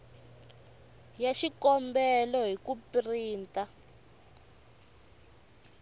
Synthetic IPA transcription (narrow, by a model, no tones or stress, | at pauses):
jaʃikɔmbɛlɔɦikupriːntʼa